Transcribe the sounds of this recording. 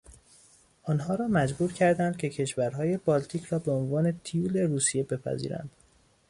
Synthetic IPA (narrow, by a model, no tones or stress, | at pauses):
ʔɒːnɦɒːɾɒːmæd͡ʒbuːɾcʰæɾd̪ænd̪̚cʰe̞cʰe̞ʃvæɾɦɒːje̞bɒːlt̪ʰiːcʰɾɒːbe̞onvɒːne̞t̪ʰijuːle̞ɾuːsije̞be̞pʰæ̰zḭːɾæ̰nd̪̥